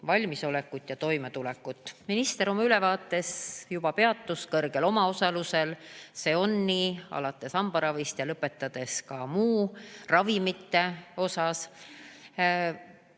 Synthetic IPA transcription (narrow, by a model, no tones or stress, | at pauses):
vɑlʲmiso̞lekːˑut̪ˑjɑt̪o̞jme̞t̪ulɛkːˑut̪ːminist̪e̞ɾo̞mɑyle̞vɑːt̪ːˑe̞sjubɑpe̞ɑt̪ːuskɤrɡ̥e̞lo̞mɑo̞sɑluse̞lse̞ːo̞nːiːɑ̰lɑt̪ːˑe̞sɑmb̥ɑɾɑvist̪jɑlɤpːˑe̞t̪ːˑɑd̪̥e̞skɑmuːrɑvimit̪ːe̞o̞sɑs